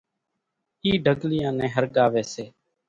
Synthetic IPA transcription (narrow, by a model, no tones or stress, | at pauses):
iːɖʱəɡlɪjãːnɛ̃ːɦəɾɡaːʋeːseː